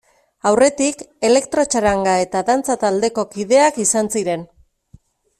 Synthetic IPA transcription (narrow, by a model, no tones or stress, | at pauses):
awre̞t̪ike̞le̞kt̪ɾo̞t͡ʃaɾaŋɡae̞t̪aðant͡sat̪ald̪e̞ko̞kiðe̞akisansiɾe̞n